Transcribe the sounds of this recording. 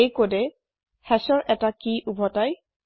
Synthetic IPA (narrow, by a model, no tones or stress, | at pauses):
ejkodɛ | hɛsɔɹʔɛtakiʔubʱɔtaj